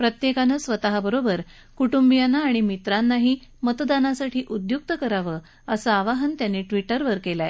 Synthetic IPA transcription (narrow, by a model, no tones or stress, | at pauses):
pɾət̪jekanəsʋət̪aɦabəɾobəɾ | kuʈumbijanaːɽ̃imit̪ɾanːaɦiː | mət̪d̪anasaʈʰiːʔud̪juk̚t̪əkəɾaʋə | əsəaʋaɦənt̪janːiːʈʋiʈəɾʋəɾkelae